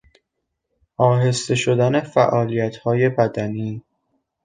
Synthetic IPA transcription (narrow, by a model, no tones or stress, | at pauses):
ʔɒːɦe̞st̪e̞ʃod̪æne̞fæʔɒːlijæt̪ʰhɒːje̞pʰæd̪æniː